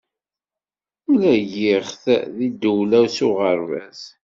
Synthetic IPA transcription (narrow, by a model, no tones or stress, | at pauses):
ulæjɪʁθðid̪uwlæwsʊʁəɾvæs